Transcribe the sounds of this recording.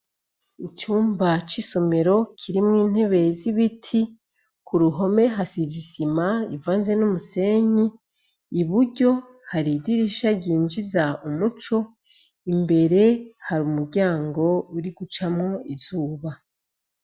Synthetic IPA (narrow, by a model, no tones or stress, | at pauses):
it͡ʃuːmbat͡ʃiso̞me̞ɾo̞kʰiɾimŋiːn̥he̞βe̞ziβitʰi | kʰuɾuɦo̞me̞ɦasizisimajivaːnzenumuse̞ɲiː | βuɾɟo̞ | haɾidiɾiʃaɟiːnd͡ʒizaumut͡ʃo̞ | imbe̞ɾehaɾumuɾɟaːŋɡo̞uɾiɡut͡ʃamŋo̞iz̥uːβa